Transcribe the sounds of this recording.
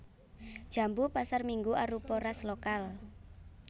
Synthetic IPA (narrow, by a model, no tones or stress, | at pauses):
d̥ʒ̥a̤mbupasarmiŋɡuʔaɾupɔɾaslokal